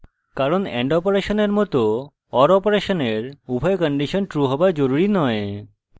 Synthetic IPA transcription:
kaɾonɛ̰ɳɖɔpoɾeʃoneɾmɔt̪o | ɔɾɔpoɾeʃoneɾubʱaejkɔɳɖiʃonʈɾuɦɔbad͡ʑoɾuɾinɔe

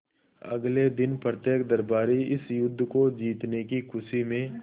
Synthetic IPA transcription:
ɐ̰ɡled̪ɪnpɾət̪jeːkd̪ɐɾbaːɾiɪsjʊd̪ʱːkod͡ʒiːt̪nekikʰʊʃimẽ

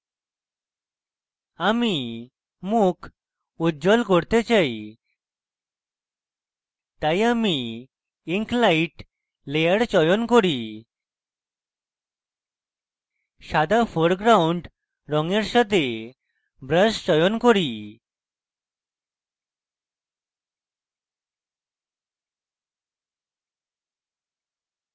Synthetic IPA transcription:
ami | mukʰ | ud͡ʑɔlkɔɾt̪et͡ɕai | t̪ajami | iŋklaiʈ | lejəɽt͡ɕɔjɔnkɔɾi | ɕad̪afɔɾɡɾauɳɖ | ɾɔŋɡeɾɕət̪e | bɾəst͡ɕɔjɔnkɔɽi

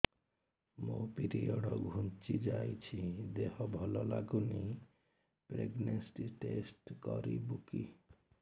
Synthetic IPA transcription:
mopiɾiɔɽɔɡʱunt͡ʃid͡ʒajt͡ʃʰid̪ehɔbʱɔlɔlaɡuni | pɾeɡnensʈiʈesʈkɔɾibuki

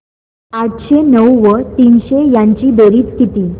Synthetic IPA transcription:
aʈɕenəwʋət̪iːnɕejaɲt͡ɕiːd̪eɾiːt͡sk̪ʰit̪iː

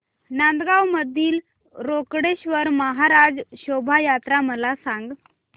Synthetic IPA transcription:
nand̪ɡawməd̪ʱiːl | ɾokɽeɕʋəɾməɦaɾad͡zɕobʱajat̪ɾaməlasãŋɡ

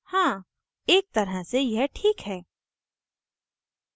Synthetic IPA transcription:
hãː | eːk̚t̪ɐɾəsejɛɦʈʰiːkɦɛː

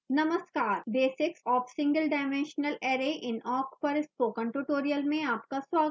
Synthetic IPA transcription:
nɐməskaːɾbeːsɪksɔːfsɪ̃ŋɡəlɖaɪmẽːnʃnəleːɾeʔɪ̃nɔːkpɐɾɪspokə̃ɳʈuʈoːɾijəlmẽaːpkasʋaːɡə

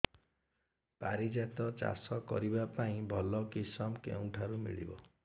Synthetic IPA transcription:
paɾid͡ʒat̪ɔt͡ʃa̰sɔkɔ̰ɾibapaĩbʱɔlɔkisɔmkḛw̃ʈʰaɾumḭɭḭbɔ

